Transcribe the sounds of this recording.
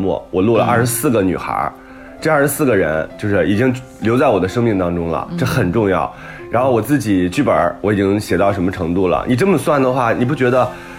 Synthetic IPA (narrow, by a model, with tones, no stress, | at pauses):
mwɔ̰˥˩wʔɔ˨˩lwɔ˥˩lə˧ʔɐ̰˥˩ʂɻ̩˧˥sɹ̩˥˩ɡə˩ny̰˨˩xə̰˧˥ | ʈ͡ʂɤ˥˧˥ʂ̩˧˥sɹ̩˥˩ɡə˩ɻə̰˧˥nt͡ɕjo˥˧ʊʂɻ̩˥˩i˨˩t͡ɕi˥ŋ | ljo˧˥ʊt͡sa˥˩ɪwɔ˨˩d̪ə˦ʂɤ˥ŋmi˥˩ŋt̪ɑ˥ŋʈ͡ʂʊ˥ŋlə̰˩ʈ͡ʂɤ˥˩xə˨˩nʈ͡ʂʊ˥˧ŋjɑ˥˩ʊ | ɻa˧˥nxo˥˩ʊwɔ˨˩t͡sɹ̩˥˩t͡ɕi˨˩t͡ɕy˥˩pə̰˞˨˩˥wɔ˧˥i˨˩t͡ɕi˥ŋɕjɛ˨˩t̪ɑ˥˩ʊʂə˧˥nmə˧ʈ͡ʂʰɤ˧˥ŋt̪u˥˩lə̰˩ni˨˩ʈ͡ʂə˥nmə˨˩swa˥˩nd̪ə˩xwa˥˩ni˨˩p̬u˥˩t͡ɕɥɛ˧˥d̪ə˧